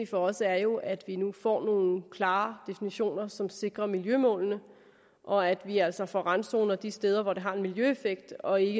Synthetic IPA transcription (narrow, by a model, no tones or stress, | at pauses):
ifɒ̽ɒ̽sæɐjo̝ʔæd̥ʋinufɒ̰ːno̝ːn̩kʰlɑ̈ːd̥e̝finiɕo̝̰ːnɐsɒ̽mse̝ɡ̥ʁɐmiljømɔ̰̽ːlnə | ʔɒ̽æd̥ʋiæl̰sɒ̽fɒʁɑnso̝ːnɐd̥isd̥eːð̞ˠɐʋɒd̥e̝ɦɑ̈e̝nmiljøefeɡ̥̚d̥ɒ̽e̝ɡ̥ə